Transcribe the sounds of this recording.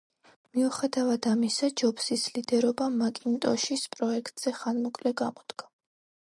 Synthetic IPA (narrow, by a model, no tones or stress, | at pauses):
miuχɛd̪avad̪amisad͡ʒɔbsislid̪ɛɾɔbamakʼint̪ʼɔʃispʼɾɔɛkʰt̪ʼz̥ɛχanmɔkʼlɛɡamɔd̪̥ɡḁ